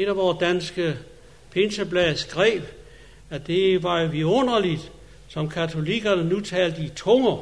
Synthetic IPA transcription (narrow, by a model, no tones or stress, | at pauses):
e̝ɾ̥æʋɒːsd̥ænsɡ̥ə | pʰe̝nsəb̥lɛðsɡ̥ʁɛ̰ːb̥ | æd̥e̝ʋɑ̈joʋiɔ̽n̰ɐlid̥ | sɒ̽mkʰæt͡sʰo̝liɡ̥ɐnənut͡sʰɛ̰ːld̥əit͡sʰɔŋɐ